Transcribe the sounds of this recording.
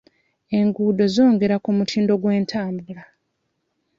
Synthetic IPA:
e̞ŋɡuːdo̞zo̞ːŋɡe̞ɾakumutʰiːndo̞ɡwe̞ːntʰaːmbula

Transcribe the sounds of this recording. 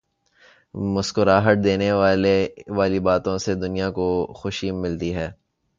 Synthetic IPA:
mʊskoɾaːɦəʈ̪̚d̪eːneʋaleʋaːlibaːt̪õsed̪ʊnijakoxʊʃimːɪlt̪iɦɛː

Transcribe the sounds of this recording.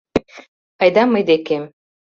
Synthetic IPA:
ɑjd̪ɑmɤjd̪ekem

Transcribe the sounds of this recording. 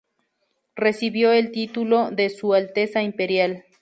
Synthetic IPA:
resiβjoelt̪it̪ulod̪esualt̪esaimpeɾjal

